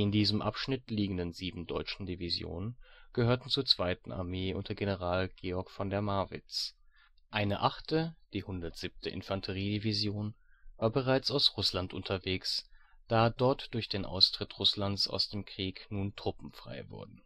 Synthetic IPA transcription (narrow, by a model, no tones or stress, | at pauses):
ɪndiːzəmʔa̰pʃnɪtliːɡŋ̩dənziːbm̩dɔ̰ʏt͡ʃn̩divizjo̰ːnənɡ̥əhøːɐtn̩t͡suːɐt͡sv̥aɪtn̩a̰ɐmeːʔʊ̰ntɐɡenəʁaːlɡ̥eːɔɐkfɔndɛɐmaɐvɪ̰t͡s | ʔaɪnəʔaχtʰəd̥iːhʊndɐtz̥ip̚tʰəʔɪ̰nfantʰəʁ̞iːdivizjoːn | vaːɐbəʁaɪt͡saʊsʁʊslantʔʊ̰ntʰɐveːks | d̥aːdɔɐtd̥ʊɐçd̥eːnʔa̰ʊstʁ̥ɪtʁʊslant͡sa̰ʊsd̥eːmkʁ̥iːknuːntʁ̥ʊpm̩fʁ̥a̰ɪvʊ̰ɐdn̩